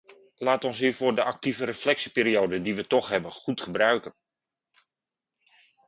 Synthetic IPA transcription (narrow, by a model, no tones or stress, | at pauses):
laːtɔnsiːvʊːrdəʔak̚tivəɾəflɛksipeːɾiowdəndiʋətɔχɦɛbənχutχəbrœɥkən